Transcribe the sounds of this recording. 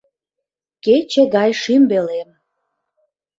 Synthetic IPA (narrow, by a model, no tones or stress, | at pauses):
ket͡ɕĕɡɑjʃymbelem